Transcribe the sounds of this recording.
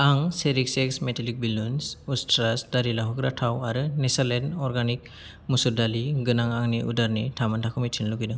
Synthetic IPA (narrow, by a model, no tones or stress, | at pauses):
aŋseɾikseksmetʰalik̚bilunsustɾasdaɾilaɦɔɡɾatʰawaɾɯnesalenɔɾɡanik̚ | musuɾdaliɡɯnaŋaŋniʔudaɾnitʰamantʰakʰɯmitʰinluɡijnɯŋ